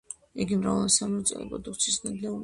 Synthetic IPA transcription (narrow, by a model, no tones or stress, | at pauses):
iɡimɾa̰vɛlˠɔsamɔt̪sʼɛ̰lɛ̰pɔd̪ukt̪sʰisnad̪lɛu